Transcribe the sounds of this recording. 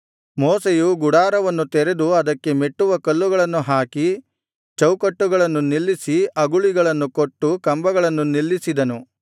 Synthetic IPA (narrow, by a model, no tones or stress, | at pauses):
mɔːsejuɡuɽaːɾɐʋɐnːut̪ɛɾe̞d̪uɐd̪ɐkːe̞meʈːuʋɐkɐlːuɡɐɭɐnːuɦaːki | t͡ʃɐwkɐʈːuɡɐɭɐnːunilːisiɐɡuɭiɡɐɭɐnːuko̞ʈːukɐmbɐɡɐɭɐnːunilːisid̪ɐnu